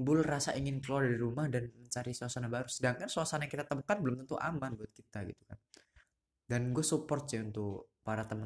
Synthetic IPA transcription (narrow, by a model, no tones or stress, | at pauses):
bʊlrasaʔiŋɪnkəloardiɾumahdanməɲt͡ʃaɾisuasanabaɾusədaŋkansoasanajaŋkit̪at̪əmukat̪̚bəlʊmt̪ənt̪uʔa̰manbuat̪̚kit̪aɡit̪u̥kan | danɡuasupɔrt̪̚sɪunt̪ʊkpaɾat̪əmə